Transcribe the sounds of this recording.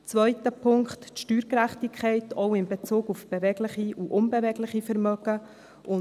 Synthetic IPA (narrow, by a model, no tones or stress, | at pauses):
t͡svœʏtəpʰʊŋktʃtyːɾkɾæχtikʰχɛɪtʰɔʊɪnbet͡suːɡufb̥evɛɡlɪχiuʔʊnbɛvɛɡlɪχifɛɾmœɡ̥ə | ʔʊ